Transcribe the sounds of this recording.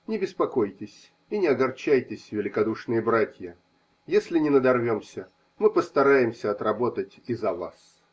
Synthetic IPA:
nʲɪbʲɪspɐko̞jtʲɪsʲ | inʲɪɐɡɐrt͡ɕæjtʲɪsʲvʲɪlʲɪkɐd̪uʂnɨjəbɾatʲjə | jesʲlʲɪnʲɪnəd̪ɐrvʲo̞msʲə | mɨpəst̪ɐɾajɪmsʲəɐt̪rɐbo̞t̪ətʲizɐva̰s

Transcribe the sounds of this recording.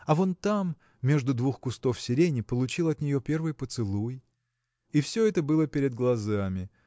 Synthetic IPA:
ɐvo̞nt̪amːʲ | e̞ʐd̪ʊd̪vuxkʊst̪o̞fsʲɪɾʲenʲɪpəlˠʊt͡ɕilˠɐt̪nʲɪjo̞pʲe̞rvɨjpət̪sɨlˠuj | ɪfsʲɵɛt̪əbɨlˠəpʲɪɾʲɪd̪̚ɡlˠɐzamʲɪ

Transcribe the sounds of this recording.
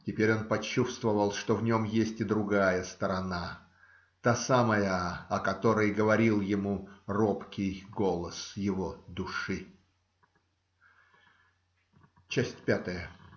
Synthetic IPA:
tʲɪpʲeɾʲo̞npɐt͡ɕːust̪vəvəlˠʂt̪ovnʲo̞mjesʲtʲɪd̪ɾʊɡajəst̪əɾɐna | t̪asaməjəɐkɐt̪o̞ɾəjɡəvɐɾʲilˠjɪmuropkʲɪjɡo̞lˠəsjɪvo̞d̪ʊʂɨ | t͡ɕæsʲtʲpʲat̪əjə

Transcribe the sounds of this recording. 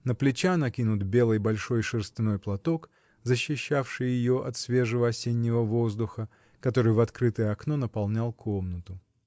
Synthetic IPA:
nəplʲɪt͡ɕanɐkʲinʊt̪bʲelˠɨjbɐlʲʂo̞jʂɨrst̪ɪno̞jplˠɐt̪o̞k | zəɕːɪɕːafʂɨjjɪjo̞ʔɐt̪svʲe̞ʐɨvəɐsʲenʲːɪvəvo̞zd̪ʊxə | kɐt̪o̞ɾɨjvɐt̪kɾɨt̪əjəɐkno̞nəpɐlˠnʲalˠkʰo̞mnət̪ʊ

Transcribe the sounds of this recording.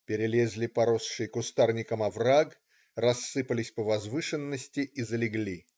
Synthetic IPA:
pʲɪɾʲɪlʲezʲlʲipɐɾosʂɨjkʊst̪arnʲɪkəmɐvraɡ | rɐsːɨpəlʲɪsʲpəvɐzvɨʂɨnːəsʲtʲɪʔizəlʲɪɡlʲi

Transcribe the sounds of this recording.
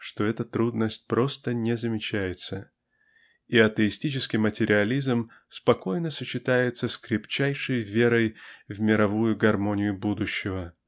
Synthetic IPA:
ʂt̪o̞ɛt̪ət̪ɾud̪nəsʲt̚ʲpɾo̞st̪ənʲɪzəmʲɪt͡ɕæjɪt̪sə | iɐt̪əɪsʲtʲit͡ɕɪskʲɪmətʲɪɾʲɪɐlʲizm | spɐko̞jnəsət͡ɕːɪt̪ajɪt̪səskɾʲɪpt͡ɕæjʂəjvʲe̞ɾəjvmʲɪɾɐvujʊɡɐrmo̞nʲɪjʊbud̪ʊɕːɪvə

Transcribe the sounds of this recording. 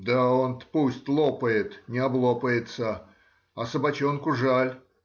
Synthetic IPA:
d̪aonpusʲtʲlˠopəjɪt̪nʲɪɐblˠopəjɪt̪sə | ɐsəbɐt͡ɕonkʊʐalʲ

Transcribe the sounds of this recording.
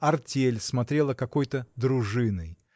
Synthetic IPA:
ɐrtʲelʲsmɐt̪ɾʲe̞lˠəkɐko̞jt̪əd̪ɾʊʐɨnɨj

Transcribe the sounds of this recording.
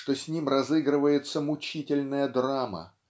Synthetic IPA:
ʂt̪o̞sʲnʲimrɐzɨɡɾɨvəjɪt̪səmʊt͡ɕitʲɪlʲnəjəd̪ɾamə̰

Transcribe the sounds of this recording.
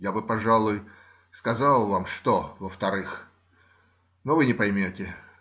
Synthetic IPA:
jabɨpɐʐalˠʊj | skɐzalˠvamʂt̪ovəft̪ɐɾɨx | novɨnʲɪpɐjmʲotʲɪ

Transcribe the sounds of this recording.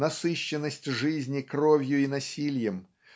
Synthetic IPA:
nɐsɨɕːɪnːəsʲtʲʐɨzʲnʲɪkro̞vʲjʊinɐsʲilʲjɪm

